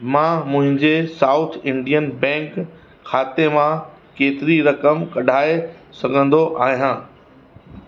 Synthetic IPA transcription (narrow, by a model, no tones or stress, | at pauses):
mãːmʊ̃ɦɪ̃ɲd͡ʑesaːʊt̪ʰɪ̃ɳɖijənbɛ̃ːŋk | kʰaːt̪emã | keːt̪ɪɾiɾɐkəmkɐɗʱaːesɐɡʱə̃nd̪oʔaːɦijãː